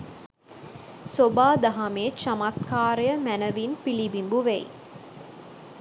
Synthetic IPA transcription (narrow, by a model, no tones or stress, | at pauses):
sobaːd̪ɐɦamet͡ʃamat̪̚kaːɾəjəmænəʋinpilibimbuʋej